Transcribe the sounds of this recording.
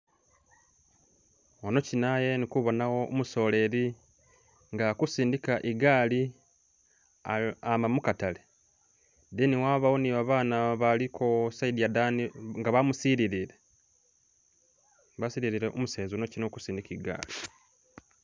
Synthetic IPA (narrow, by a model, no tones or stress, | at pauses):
ono̞cinaje̞nikuβo̞nawo̞umuso̞ːle̞ɾi | ŋɡakusiːndikaʔiɡaːli | amamukatale | d̪iniwaβawoniβaβaːnaβalikʰosaidijadaniŋɡaβamusiɾiɾiɾe | βasiɾiɾiɾeʔomuseːzonocinoku̥siːndikiɡa̰ːli